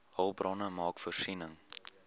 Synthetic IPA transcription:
hɐlˠbrɑnəmɑːkfərsinəŋ

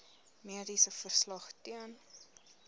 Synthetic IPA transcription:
miədisəfərslɐχtiən

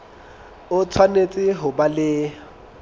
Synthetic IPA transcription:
ʊt͡sʰwanet͡sʼɪɦʊbalɪ

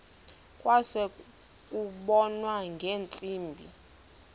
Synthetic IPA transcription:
kʼwasɛ | kʼuɓɔnwaŋɡʱeːnt͡sʼiːmbʱḭ

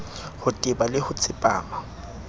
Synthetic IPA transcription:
hʊtʼɪbalɪhʊt͡sʰʼɪpʼa̰ːma

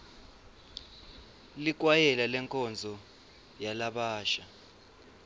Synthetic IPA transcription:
lik̬ʼwajɛlalɛŋkʼɔnd͡zʱɔ | jalaɓaːʃa

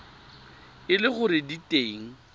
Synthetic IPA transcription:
ɪlɪχʊɾɪditʼeŋ̩

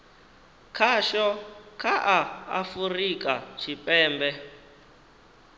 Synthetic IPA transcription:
kʰaʃɔkʰaʔaa̰furik̬ʼat͡ʃʰipʼɛːmbɛ

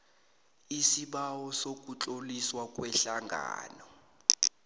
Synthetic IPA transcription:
isiɓawɔsok̬ʼut͡ɬʼoliswak̬ʼwɛɬaŋɡʱa̰ːnɔ

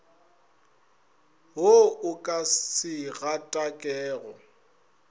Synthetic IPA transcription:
ɦʊʊkʼassɪɣatʼakʼɛːɣɔ

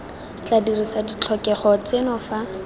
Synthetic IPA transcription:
t͡ɬadirisadit͡ɬʰɔkɛχɔt͡sɪnɔfa

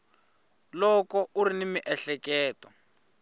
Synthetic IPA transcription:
lɔkɔʔuɾinimiʔɛɬɛkɛːtɔ

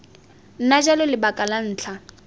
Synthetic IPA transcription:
n̩nad͡ʒalʊlɪbakʼalan̩ːt͡ɬʰa

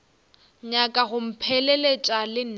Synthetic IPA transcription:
ɲakʼaɣʊm̩pʰɛlɛlet͡ʃʼalɪn̩

